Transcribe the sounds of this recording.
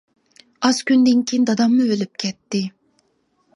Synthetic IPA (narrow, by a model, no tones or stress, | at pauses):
ɑz̥kʲynd̪ɪnkʲʰijnd̪ɑd̪ɑmːʊølyp̚kʲʰɛt̪ːɪ